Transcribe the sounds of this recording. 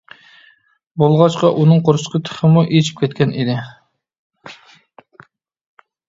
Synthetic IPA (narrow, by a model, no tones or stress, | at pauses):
bolˠʁɑt͡ʃqɑʔunɨŋqʰoɾʃqʰət̪ʰə̥χəmuʔet͡ʃʰi̥p̚kʲʰɛt̪̚ʲkʲɛnʔid̪ɪ